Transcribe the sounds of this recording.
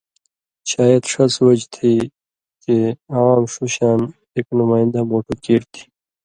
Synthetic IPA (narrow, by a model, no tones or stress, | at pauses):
ɕaːjɐd̪ʂɐswɐd͡ʑt̪ʰi | keawaːmʂuɕaːn | eːknʊmaːɪ̃nd̪amoːʈukiːɾt̪ʰi̥